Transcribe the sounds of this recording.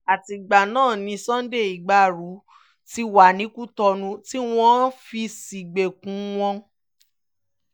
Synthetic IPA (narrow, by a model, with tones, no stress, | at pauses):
a˨ti˧ɡ͡ba˨nãː˦˨nĩ˨˧sã˦n˦de˦˨i˨ɡ͡ba˧˨ɾu˨˦ | ti˧˦wa˨nĩ˨˦ku˦tɔ˧nũ˧ti˦w̃ɔ̃˦fi˧si˨ɡ͡be˨kũ˨˦w̃ɔ̃˧